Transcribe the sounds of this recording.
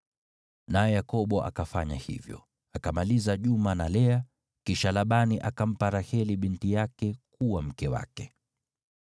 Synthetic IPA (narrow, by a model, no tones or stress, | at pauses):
najɛjakɔɓɔʔa̰kafaɲa̰hḭvjɔ̰ | akamalizaʄumanalɛa | kiʃalaɓaniʔakam̩paɾahɛliɓintijakɛkuwam̩kɛwa̰kɛ